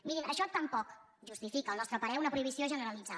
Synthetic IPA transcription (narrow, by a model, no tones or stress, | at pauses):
miɾinə̰ʃɔt̪əmpɔk | ʒust̪ifikəːlˠnɔst̪ɾəpəɾɛunəpɾuiβ̞isioʒənəɾəlid͡za